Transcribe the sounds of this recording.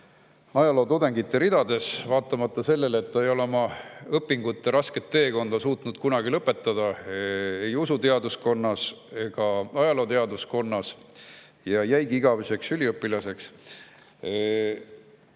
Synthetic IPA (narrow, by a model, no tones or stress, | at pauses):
ɑjɑlo̞ːt̪ud̪e̞ŋɡ̥it̪ːeɾid̪̥ɑd̪̥e̞svɑːt̪ːˑɑmɑt̪ˑːɑse̞lːe̞let̪ːɑejo̞lomɑɤpːˑiŋɡut̪ːˑe̞ɾɑske̞t̪ːe̞ːko̞nd̪̥ɑsuːt̪ˑnud̪̥kunɑɡ̥ilɤpːˑe̞t̪ːˑɑd̪̥ɑ | e̞jusut̪e̞ɑd̪usko̞nːɑse̞ɡ̥ɑɑjɑlo̞ːt̪e̞ɑd̪usko̞nːɑs | jɑjæjɡiiɡ̥ɑvese̞ksylʲiɤpːˑilɑse̞ks